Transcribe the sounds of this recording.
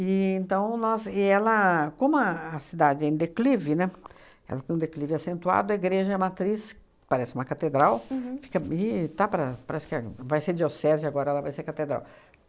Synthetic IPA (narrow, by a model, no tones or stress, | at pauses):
ɪẽnt̪ɐ̃w̃nɔzɪɛlɐkõmʊɐːsid̪ad͡ʒɪẽd̪eklivɪnɛ | ɛ̰lɐt̪ẽj̃d̪eklivɪasẽnt̪ua̰d̪ʊɐiɡɾeʒɐɛmat̪ɾis | paɾɛsɪumɐkat̪ed̪ɾawfi̥kɐɪt̪apɾɐpaɾɛsɪ̥kɪavajseɾd͡ʒiosɛzɪaɡɔɾɐɛlɐvajseɾkat̪ed̪ɾa̰w